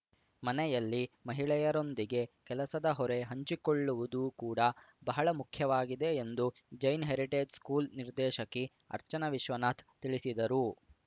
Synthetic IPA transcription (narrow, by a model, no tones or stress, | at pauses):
mɐnɛjɐlːimɐɦiɭɛjɐɾo̞nd̪iɡe̞kɛlɐsɐd̪ɐɦɔɾe̞ɦɐɲt͡ʃiko̞ɭːuʋud̪ukuːɽɐ | bɐɦɐɭɐmukʰjɐʋaːɡid̪e̞ːnd̪u | d͡ʒɐjnɦeːɾiʈeːd͡ʒskuːlniɾd̪ɛːʃɐki | ɐ̰ɾt͡ʃɐnɐʋiʃʋɐnaːt̪ʰt̪iɭisid̪ɐɾu